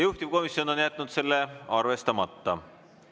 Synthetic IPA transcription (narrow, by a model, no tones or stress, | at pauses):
juht̪ib̥̚ko̞misjo̞no̞njæt̪ːˑnud̪̥se̞lːeɑrve̞st̪ɑmɑt̪ːɑ̰